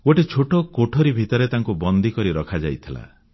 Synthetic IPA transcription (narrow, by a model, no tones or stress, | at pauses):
oʈet͡ʃʰoʈɔkoʈʰɔɾibʱit̪ɔɾet̪aŋkubɔnd̪ʱikɔɾiɾɔkʰad͡ʒajt̪ʰila̰